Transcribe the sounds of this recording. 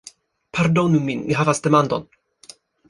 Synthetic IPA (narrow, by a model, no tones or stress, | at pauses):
pʰaɾd̪onumːinḭɦavasd̪ɛmand̪ɔ̰n